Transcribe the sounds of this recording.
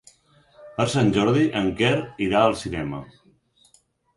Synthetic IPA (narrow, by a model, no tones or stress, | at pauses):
pəɾsanʲʒɔɾðiʔəŋkɛɾiɾaəlˠsinɛmə̰